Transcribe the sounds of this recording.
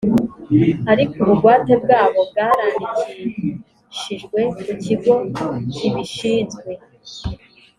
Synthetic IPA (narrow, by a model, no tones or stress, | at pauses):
aɾikuβuɡɡwaːteb̚ɡaːβo̞b̚ɡaːɾaːnit͡s | ʃiʒɡwe̞kuciɡo̞ciβiʃiːzɡwe̞